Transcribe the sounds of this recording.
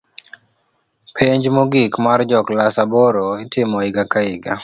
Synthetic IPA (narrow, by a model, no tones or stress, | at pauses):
pʰeɲd͡ʒmoɡikmard͡ʒɔklasaboɾoɪtɪmɔɪɡakaɪɡa̰